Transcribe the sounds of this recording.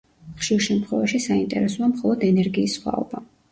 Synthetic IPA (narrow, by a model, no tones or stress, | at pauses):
χʃiɾʃɛmt̪ʰχwɛvaʃisaint̪ʼɛ̰ɾɛsɔamχɔlˠɔd̪ɛnɛɾɡiːsχwa̰ɔb̥a